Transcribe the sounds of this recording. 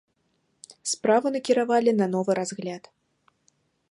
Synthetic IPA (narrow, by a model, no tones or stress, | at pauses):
spɾavɨnɐkʲiɾavalʲinɐnɔvɨɾazɣlʲat̪